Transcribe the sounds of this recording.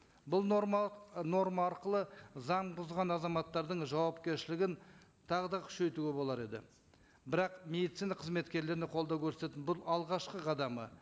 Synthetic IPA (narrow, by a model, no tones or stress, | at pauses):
bʊlˠnomno̞ɾmɑːɾqəlˠəzɑɴbʊzʁɑnɑzɑmɑt̪ːɑɾd̪əɴʒɑwɑpkʲe̞ɾʃɪlɪɡʲɪn | t̪ʰɑʁəd̪ɑkʲʰʏ̥ʃe̞jt̪uɡʲe̞bo̞lˠɑɾe̞d̪ɪ̰ | bɪɾɑqme̞d̪it̪sijnɑqʰəzme̞t̪kʲe̞ɾle̞ɾɪneqʰo̞lˠd̪ɑwkʲʰɵɾset̪et̪ɪnbʊlˠɑlˠʁɑʃqəʁʰɑd̪ɑmə